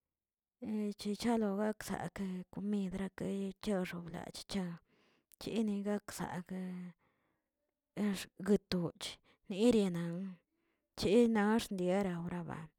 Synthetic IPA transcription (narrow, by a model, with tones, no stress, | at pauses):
t͡ʃi˧t͡ʃa˦lo˧ɡa˦ksa̰˨kko˧mi˧d̪ɾa˧ka˧t͡ʃa˦˧ʂo˧bla̰˨t͡ʃt͡ʃa˧ | t͡ʃḭ˧˦ni˧ɡa˦ksa̰˨k | ɡɨ˧t̪u˨t͡ʃ | ni˦ɾje˧na˨ŋ | t͡ʃi˦na˧˦ʂnd̪je˧˦ɾa˧wɾa˧ba̰˨